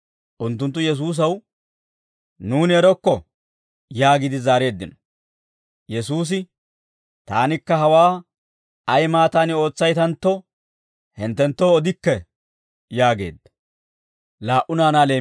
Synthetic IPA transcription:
ʔʊnt̪ːʊnt̪ːʊjɛs̬uːs̬ɐw | nuːnɪɛɾɔkːɔ | jaːɡɪd̪ɪzaːɾe̞ːd̪ːɪnɔ̥ | jɛsuːs̬ɪ | t̪aːnɪkːɐɦɐwaː | ɐjmaːt̪aːnɪo̞ːt͡sːɐjt̪ɐnt̪ːɔ | hɪnt̪ːɛnt̪ːoːɔd̪ɪkːɛ | jaːɡe̞̰ːd̪ːɐ | laːʔʊnaːnaːle̞ː

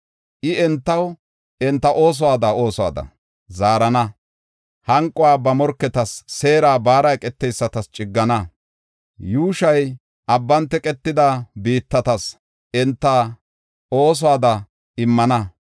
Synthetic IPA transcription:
ʔɪɛnt̪ːɐw | ɛnt̪ːɐʔo̞ːs̬ɔwaːd̪ao̞ːsɔa̰ːd̪ɐ̰ | zaːɾɐnɐ | hɐŋkʼːʊwaːbɐmɔɾkːɛt̪ɐsːe̞ːɾaːbaːɾɐjkʼɛt̪ːɛjsːɐt̪ɐst͡ʃʼɪɡːɐnɐ | juːʃɐj | ʔɐbːɐnt̪ːɛkʼɛt̪ːɪd̪ɐbiːt̪ːɐt̪ɐs | ɛnt̪ːɐ | o̞ːs̬ɔaːd̪ɐ | ɪmːɐnɐ

